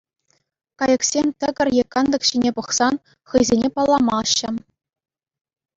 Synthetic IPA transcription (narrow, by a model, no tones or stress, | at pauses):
kɑjɤ̆ksʲemʲt̪ʲɘ̆ɡʲɘ̆rʲjekːɑnd̪ɤ̆kɕinʲepɤ̆χsɑn | χɯjzʲenʲepɑlˠːɑmɑɕːɘ̆